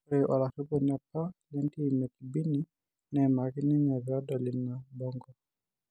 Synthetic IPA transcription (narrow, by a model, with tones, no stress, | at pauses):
ɾɛ˨ʔa˨la˨si˦bɔ˦˨n˨a˨pa˦lɛ˦nti˦i˨mɛ˨ki˨bi˦ni˦ | nɛ˨ma˨ki˦ni˦ɲa˨va˦da˨li˨na˨bɔ˦ŋɡɔ˨